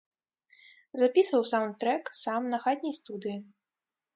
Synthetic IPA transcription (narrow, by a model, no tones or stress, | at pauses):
zapʲisvɐwsawnt̪t̪ːɾɛksamnɐxad̪ʲnʲɐjst̪ud̪ɨji